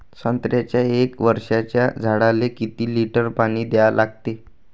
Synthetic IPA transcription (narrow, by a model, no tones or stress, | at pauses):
sənt̪ɾjat͡ɕjaekʋəɾʂat͡ɕjad͡zʱaɽalekit̪iːliʈəɾpaɽ̃iːd̪ealʔaɡ̚t̪e